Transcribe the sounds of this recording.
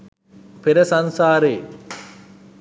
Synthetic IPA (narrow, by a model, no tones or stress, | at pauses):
peɾɐsɐnsaːɾeː